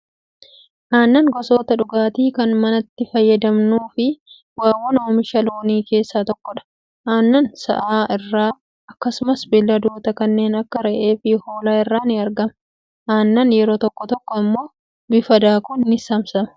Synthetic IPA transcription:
ʔaːnːɐŋɡɔsoːt̪ɐᶑʊɡaːt̪iːkɐnmɐnɐt̪ːɪfɐjːɐd̪ɐmnuːfɪ | waːwːɔnoːmɪʃɐloːniːke̞ːsːaːt̪ɔkːɔᶑɐ̥ | ʔaːnːɐnsɐ̰ʔaːʔɪrːaː | ɐkːɐsʊmɐsbɪlːɐd̪oːt̪ɐkɐnːe̞ːnɐkːɐɾɛʔe̞ːfɪho̞ːlaːɪrːaːnɪɐɾɡɐmɐ | ʔaːnːɐnjɛɾo̞ːt̪ɔkːɔt̪ɔkːɔɐmːo̞ː | bɪfɐd̪aːkʊnːɪsɐmsɐmɐ

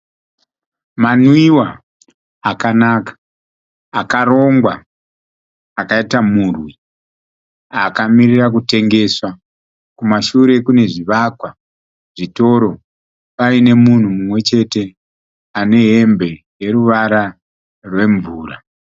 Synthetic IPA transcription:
manwiwa | akanakḁː | kaɾo̞ŋɡwa | kaitamurwi | akamirirak̬ute̞ŋɡe̞ːswa | kumaʃuɾe̞kune̞ʐiʋakwa | ʐ̥ito̞ɾo̞ | paine̞mun̤umumwe̞t͡ʃe̞te̞ | ane̞ɦe̞mbe̞ | je̞ɾuʋaɾa | rwe̞ɱvuːra

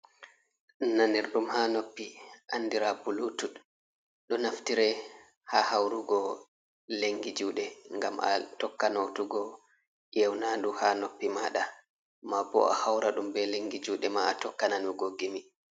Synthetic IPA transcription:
naneɾɗumhanopːiʔanːdiɾabulutuɗ | ɗɔnaftiɾɛ | hahawɾuɡɔ | leŋɡid͡ʒuːɗɛŋɡamʔa̰tɔkːanotuɡɔ | jɛwnaduhanopːimaɗa | mabɔ̰ʔahawɾaɗumbɛleŋɡid͡ʒuːɗɛmaatɔkːananuɡoɡːimi

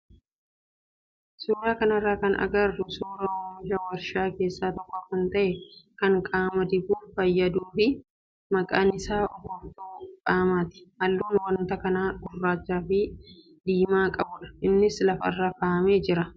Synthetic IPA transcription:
suːɾaːkɐnɐrːaːkɐnɐ̰ɡɐrːʊsuːɾɐwɔmɪd͡ʒɐwɐɾʃaːke̞ːsːaːt̪ɔkːɔkɐnt̪ɐʔɛkɐŋkʼaːmɐd̪ɪbuːfɐjːɐd̪uːfɪ | mɐkʼaːnɪsaːʔɔfɔft̪oːkʼaːmaːt̪ɪ̥hɐlːuːnwɐnt̪ɐkɐnaːɡʊrːaːt͡ʃːaːfɪ | d̪iːmaːkʼɐbʊᶑɐ̥ʔɪnːɪslɐfɐ̰rːaːkaːmeːd͡ʒɪɾɐ

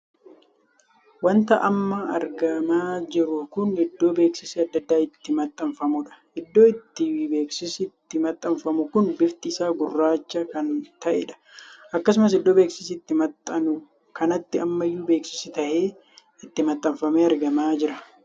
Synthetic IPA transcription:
wɐnt̪ɐʔɐmːɐɐɾɡɐmaːd͡ʒɪɾʊkʊnɪd̪ːo̞ːbe̞ːksɪseɐd̪ːɐd̪ːaːɪt̪ːɪmɐt̪ʼːɐɱfɐmʊᶑɐ̥ʔɪd̪ːo̞ːɪt̪ːɪwbe̞ːksɪst̪ːɪmɐt̪ʼːɐɱfɐmʊkʊnbɪft̪ɪːsaːɡʊrːaːt͡ʃːɐkɐnt̪ɐʔḛᶑɐ̥ʔɐkːɐs̬ʊmɐs̬ɪd̪ːo̞ːbe̞ːksɪs̬ɪt̪ːɪmɐt̪ʼːɐnʊ | kɐnɐt̪ːɪɐmːɐjːuːbe̞ːksɪ̥sɪt̪ɐʔeː | ɪt̪ːɪmɐt̪ʼːɐɱfɐmeːɐɾɡɐmaːd͡ʒɪɾɐ

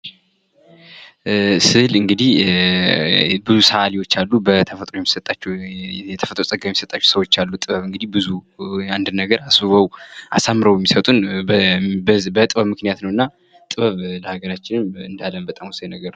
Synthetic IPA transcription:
sɨlɨŋɡɨd̪ih | bɨzusəʔaliwo̞t͡ʃːalːubət̪ʰəfət̪ʼɾojɛmːisət̪ʼat͡ʃːɛjɛt̪ʰəfət̪ʼɾosʼəɡjɛmisət̪ʼat͡ʃːɛ̥səwo̞t͡ʃːalːut̪ʼɨβəβɨŋɡɨd̪ihbɨzuand̪ɨnːəɡəɾasbɨβəwʔa̰samːɨɾəwjɛmːisət̪ʼun | bət̪ʼɨβəβmɨknijat̪nəwɨnːa | t̪ʼɨβəβləhaɡəɾat͡ʃːɪnɨmɨnd̪alːəmbət̪ʼamwusəjnəɡəɾw

